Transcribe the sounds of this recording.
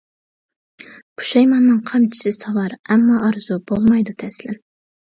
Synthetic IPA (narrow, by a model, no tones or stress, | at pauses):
kʰu̥ʃɑjmɑnːɨŋqʰɑmt͡ʃʰi̥sɪsɑvɑɾɛmːɑʔɑɾz̥ubolˠmɑjd̪ut̪ʰɛslɪ